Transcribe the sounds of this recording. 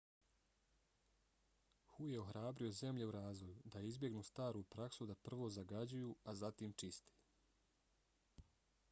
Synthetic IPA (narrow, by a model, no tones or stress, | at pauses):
xuje̞o̞xɾʔaːbɾio̞ze̞mʎe̞uɾaːzʋo̞jud̪aizbje̞ɡnuːst̪aːɾuːpɾaksud̪apr̩ʋo̞ːzaɡad͡ʑujuazat̪iːmt͡ʃist̪e̥